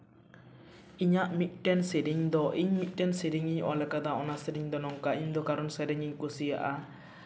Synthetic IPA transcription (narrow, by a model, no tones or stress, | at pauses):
iɲaʔmiʔ̚ʈɛnsiɾiŋd̪ɔʔiɲmiʔ̚ʈɛnsiɾiŋiɲalɛkad̪aɔnasiɾiŋd̪ɔnɔŋkaiɲd̪ɔkaɾɔnsɛɾɛŋiɲkusija̰ʔa